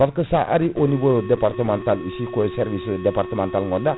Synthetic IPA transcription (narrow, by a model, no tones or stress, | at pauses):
alkəsaʔa̰ɾiʔonibodepart̪əmant̪alisikoesɛrvisdepart̪əmɛnt̪alŋɔda